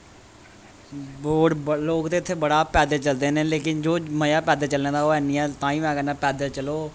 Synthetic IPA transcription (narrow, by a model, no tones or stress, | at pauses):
boːɖloːkt̪eːt̪ʰːeːbəɽaːpɛːd̪eːt͡ʃəld̪eːneːleːkɪnd͡ʒoːməjaːpɛːd̪eːt͡ʃəlnẽːd̪aːoːɛːniːɛ̃ːt̪ãːĩːʋɛ̃ːɡɛːnãːpɛːd̪əlt͡ʃəloː